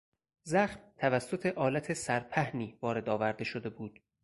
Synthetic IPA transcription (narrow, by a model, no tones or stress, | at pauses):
zæxmt̪ʰævæsːo̞t̪ʰe̞ʔɒːlæt̪ʰe̞sæɾpʰæhniːvɒːɾe̞d̪ɒːvæɾd̪e̞ʃo̞d̪e̞buːd̪̥